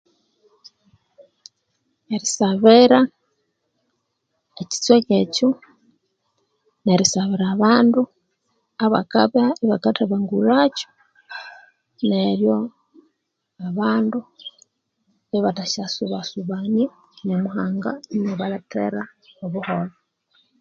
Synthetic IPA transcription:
eɾisaβiɾa | eci̥t͡swececo | neɾisaβiɾaβaːndu | aβa̰kaβaiβakataβaŋɡuɾaco̥ | neɾjo | aβaːndu | iβataʃasuβasuβani | ɲamuɦaːŋɡa̰neβalatʰḛɾaoβuholo

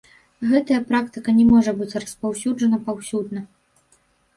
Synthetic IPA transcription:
ɣɛt̪ɐjɐpɾak̚t̪ɨkɐnʲɛmɔʐɐbɨt͡sʲrɐspawsʲud͡ʐɐnɐpawsʲud̪nɐ

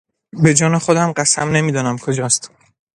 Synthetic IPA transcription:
be̞d͡ʒɒːnexo̞d̪æmɢæsæmne̞miːd̪ɒːnæmkʰo̞d͡ʒɒːst̪

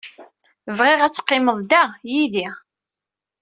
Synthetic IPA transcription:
vʁeʁæt͡sːə̥qːɪməðˤd̪æjiði

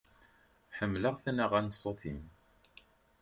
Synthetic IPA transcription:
ħəmːləʁθnəʁænəsˤːoθḭm

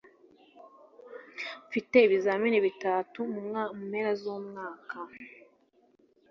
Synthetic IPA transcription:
ɱfiteiβizaminiβitatumumamumeɾazuːmŋaːkʰa

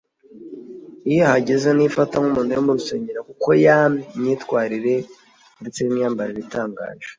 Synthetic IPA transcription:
ijohaɟezenifataŋumuːndejombuɾuseːɲɟiɾakuko̞jamɲitkwaːɾiɾe̞ | ndet͡sejimɲiaːmbaɾiɾitaːŋɡa̰ːʒ̥e

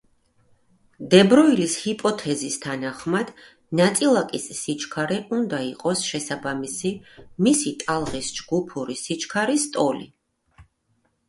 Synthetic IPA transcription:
d̪ɛbɾɔilishipʼɔt̪ʰɛzist̪ʰanaχmad̪̥ | nat̪sʼilˠakʼisːit͡ʃʰʼkʰaɾɛʔund̪aiqʼɔsʃɛsabamisimisit̪ʼalˠʁisd͡ʒɡupʰuɾisit͡ʃʰkʰaɾist̪ʼɔlḭ

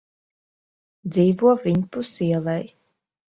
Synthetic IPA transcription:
d̪ziːvuɔvʲiɲpusiɛlˠɛj

